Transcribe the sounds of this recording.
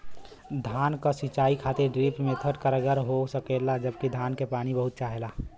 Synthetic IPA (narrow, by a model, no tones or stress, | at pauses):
d̪ʱaːnkasit͡ʃaːikʰaːt̪eɾɖɾiːpmẽt̪ʰəʈkəɾəɡəɾɦosəkelad͡ʒəbkid̪ʱaːnkepaːñibəɦʊt̪̚t͡ʃaːɦelaː